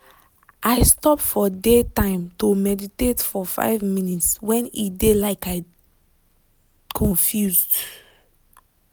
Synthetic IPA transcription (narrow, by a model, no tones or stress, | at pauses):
ʔaɪstɔpfɔdetãɪ̃mtomɛditetfɔfa̰ɪvmĩnitswɛ̃nidelaɪkaɪ | kʰɔ̃nfjuzd